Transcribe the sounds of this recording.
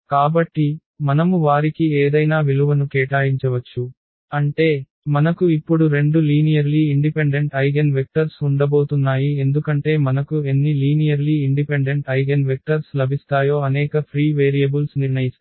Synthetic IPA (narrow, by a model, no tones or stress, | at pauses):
kaːbɐʈːi | mɐnɐmuʋaːɾikieːd̪ɐjnaːʋiluʋɐnukɛːʈaːjiɲt͡ʃɐʋɐt͡ʃːu | ɐɳʈe̞ː | mɐnɐkuipːuɽuɾe̞ɳɖuliːnijɐɾliːiɳɖipeɳɖe̞ɳʈɐjɡenʋek̚ʈɐɾsuɳɖɐbo̞ːt̪unːaːjie̞nd̪ukɐɳʈe̞ːmɐnɐkue̞nːiliːnijɐɾliːiɳɖipeɳɖe̞ɳʈɐjɡenʋek̚ʈɐɾslɐbʱist̪aːjo̞ːɐnɛːkɐpʰɾiːʋeːɾijɐbilsniɾɳɐjis